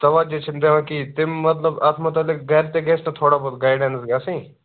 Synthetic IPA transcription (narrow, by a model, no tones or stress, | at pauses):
t̪ɐʋaːd͡ʒet͡ʃʰɪnd̪eʋãːkit̪ɪmːɐt̪ləbaːt̪ʰmɐt̪ɐlɪk̚ɡɛːɾt̪eːɡeːsnɐt̪ʰoːɽaːboːd̪ɡaːɪɖẽːnsɡaːsĩː